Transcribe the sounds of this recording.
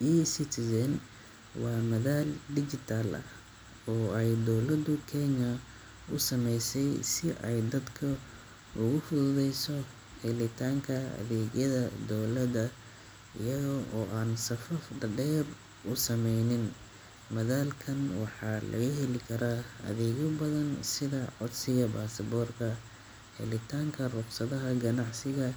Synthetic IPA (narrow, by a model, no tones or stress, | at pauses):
jisɪt̪ʰɪsɛn | wɑːmɐðaːlɖɪt͡ʃɪt̪ʰaːlʔɐ̰ | ɔːɛjd̪ɔwlɐd̪ʊkʰɛɲɐ | ʊsɐmɛjsɛjsɪʔɛjd̪ɐd̪kʰɐ | ʊɣʊfʊðʊðɛjsɔ | hɛlɪt̪ʰaːŋkʰɐɐ̰ðɛːɣjɐðɐd̪ɔwlɐdɐ | ʔɪ̰jɐɣʔɔːʔaːnsɐfɐfd̪ɐɖɛːr | ʊsɐmɛjnɪn | mɐðaːlkʰɐnwɑħɑːlɐ̰ɣɐɦɛlɪkʰɐɾaːɐ̰ðɛːɣɔbɐðɐnsɪðɐʕɔd̪sɪɣɐbaːsɐbɔːrkʰɐ | hɛ̰lɪt̪ʰaːŋkʰɐrʊqsɐðɐɦɐɡɐnɑʕsɪɣɐ